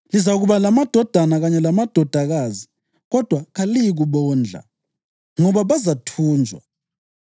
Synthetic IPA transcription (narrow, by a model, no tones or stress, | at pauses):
lizaɣuβalamad̥ʱɔd̥ʱanaɣaɲɛlamad̥ʱɔd̥ʱaɣazi | ɣɔd̥ʱwaɣalijiɣuβɔːnd͡ɮʱa̰ | ŋɔβaβazatʰuːnd͡ʒʱwa̰